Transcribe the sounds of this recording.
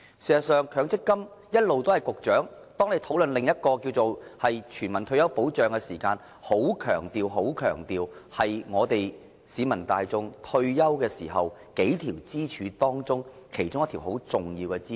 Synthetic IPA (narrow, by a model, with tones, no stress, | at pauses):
siː˨˩sɐ˨˩sœː˨˧ŋkʰœː˨˧˥ŋt͡sɪ˥kːɐ˥mjɐ˥t̚lo˨wt̪o˥ɐ˨˩jkʊ˨k̚t͡ʃœː˨˥ŋt̪ɔː˥ŋne˨˧˥jt̪ʰo˨˥wlɵ˨nlɪ˨ŋjɐ˥t̚kɔː˧kiː˧wt͡so˨whɐ˨jt͡ʃʰyː˨˩nmɐ˨˩nt̪ʰɵ˧ɥjɐ˥wpo˨˥wt͡ʃœː˨ŋkɛ˧siː˨˩kaː˧n | ho˨˥wkʰœ̰ː˨˩ŋt̪iː˨wɦo˨˥wkʰœ̰ː˨˩ŋt̪iː˨whɐ˨jŋɔː˨˧t̪e˨j | siː˨˧mɐ˨˩nt̪aː˨jt͡sʊ˧ŋt̪ʰɵ˧ɥjɐ˥wkɛː˧siː˨˩ɦɐ˨wke˨˥jt̪ʰiː˨˩wt͡siː˥t͡ʃʰyː˨˧t̪ɔː˥ŋt͡sʊ˥ŋ | kʰe˨˩jt͡sʊ˥ŋjɐ˥t̪ʰi˨˩who˨˥wt͡sʊ˨ŋjiː˧wkɛ˧t͡siː˥